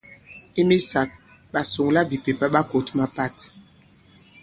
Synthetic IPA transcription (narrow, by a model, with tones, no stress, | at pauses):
i˦mi˦sa˨k̚ | ɓa˨su˨ŋla˦bi˨pe˨pa˦ɓa˦ko˨tma˦pa˦˨t